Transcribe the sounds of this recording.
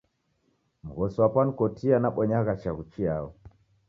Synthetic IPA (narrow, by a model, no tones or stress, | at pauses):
m̩ɣɔsɔwapan̩ikɔtʰianaɓɔɲaɣat͡ʃaɣut͡ʃiaɔ